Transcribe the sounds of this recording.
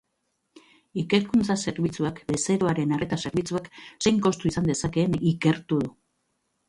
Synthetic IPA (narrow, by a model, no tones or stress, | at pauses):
ike̞ɾkunt͡sase̞ɾβit͡suakbe̞se̞ɾo̞aɾe̞nare̞t̪ase̞ɾβit͡suakse̞jŋko̞st̪uisand̪e̞sake̞ːnike̞ɾt̪uðu